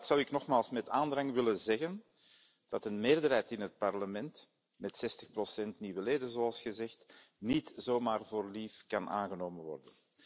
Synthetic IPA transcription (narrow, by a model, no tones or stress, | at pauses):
tsʌwɪknɔxmaːlˠsmɛtaːndrɑŋʋɪlənzɛɣən | d̥ɑtənmeːrdərɦɛjtɪnɦət̚pɑrləmɛnt | mɛtsɛstəxprosɛntniːwəleːdənzoːɑlˠsxəzɛxtnitzoːmaːrvoːrliːfkɑna̰ːnɣənoːmənʋɔ̰rdən